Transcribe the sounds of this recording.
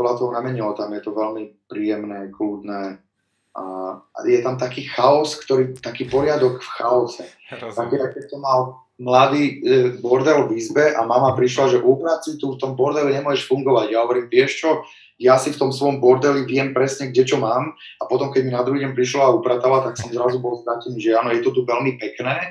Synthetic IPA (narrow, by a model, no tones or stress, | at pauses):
pɔd̪lat̪ɔɦɔnamɛɲɛɔt̪amjɛt̪ɔʋɛlmipɾiːjɛmnɛːkluːd̪nɛː | a̰jɛt̪amt̪akiːxaɔskt̪ɔɾiːt̪akiːpɔɾɪad̪ɔɡfxaɔsɛ | t̪ak̪ɛɾakɛcsɔmːal | mlad̪iːbɔɾd̪ɛlʋizbɛʔamamapɾiʃlaʒɛʔupɾat̪sit̪uft̪ɔmbɔɾd̪ɛliɲɛmʊwɔɛʃfuŋɡɔʋaɟjaɦɔʋɔɾiːmʋɪɛʃt͡ʃɔ | jasift̪ɔmsʋɔjɔmbɔɾd̪ɛliʋɪɛmpɾɛsɲɛɡɟɛt͡ʃɔmaːm | apɔt̪ɔmkɛɟminad̪ɾuɦiːɟɛɲpɾiʃlɔaupɾat̪alat̪aksɔmzɾazubɔlst̪ɾacɛniʒɛaːnɔjɛt̪ɔt̪uʋɛlmipɛknɛː